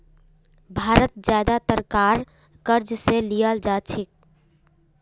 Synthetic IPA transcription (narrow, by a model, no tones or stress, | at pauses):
bʱaɾət̪̚d͡ʒjad̪at̪əɾkaɾ | kəɾd͡ʒselijəld͡ʒat͡ʃʰik̚